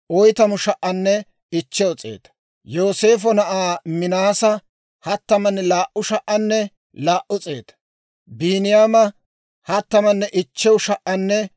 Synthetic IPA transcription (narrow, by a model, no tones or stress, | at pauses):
ʔɔjt̪ɐmʊʃɐʔɐnːɛ | ɪt͡ʃːɛwɔt͡sʼe̞̰ːt̪ɐ̥ | jo̞ːse̞ːf̬ɔnɐʔaːmɪnaːsɐ | hɐt̪ːɐmɐnːɛlaːʔʊʃɐʔɐnːɛ | laːʔʊt͡sʼḛːt̪ɐ̥ | biːnɪjaːmɐ | hɐt̪ːɐmɐnːɛʔɪt͡ʃːɛwʊʃɐʔɐnːɛ